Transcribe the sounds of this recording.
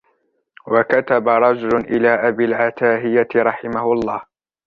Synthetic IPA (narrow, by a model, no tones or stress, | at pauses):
wakat̪abaɾˤɑd͡ʒʊlʊnʔɪlaːʔabilʕat̪aːɦɪjaɾˤɑħɪmahʊɑlˤːɑːh